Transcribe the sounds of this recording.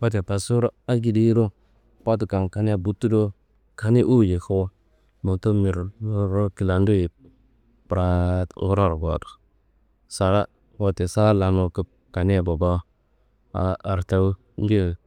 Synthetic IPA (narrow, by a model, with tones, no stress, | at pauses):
wa˦t̬e˨pa˨su˦ɾa˦a˦ɡi˨di˦ɾo˦ | pa˦tu˨ka˨ŋka˦ni˦a˨bu˦tːu˦do˦ | ka˦ni˦ʔu˦˨je˨ka˦wa˦ | mu˨to˦mi˨ɾɾo˦ki˨la˨ndu˦ji˨ | pɾa˨˦o˦ɾa˦˨ɾɡa̰˨tu̥˨ | sa˨ɾa˦ | wa˨te˨sa˦la˨no˨kə˦p̚ | ka˨ni˦a˨bo˨ba˦ | a̰ː˨ɾta˦w | ŋ˦ɡi˦˨